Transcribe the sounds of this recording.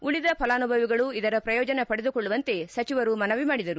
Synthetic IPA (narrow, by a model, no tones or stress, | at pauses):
uɭid̪ɐpʰɐlaːnubʱɐʋiɡɐɭuid̪ɐɾɐpɾɐjɔːd͡ʒɐnɐpɐɽed̪ukoɭːuʋɐnt̪e̞sɐt͡ʃiʋɐɾumɐnɐʋimaːɽid̪ɐɾu